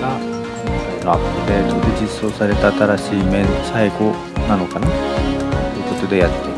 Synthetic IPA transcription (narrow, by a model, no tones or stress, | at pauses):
a | noapɯ̟ɾe̞ːt̪o̞d̪e̞d͡ʑisːo̞ːsaɾe̞t̪aːt̪aɾaɕiːme̞saiɡo̞ | nano̞kanatt̪ojɯ̟ko̞t̪o̞d̪e̞jat̪ːe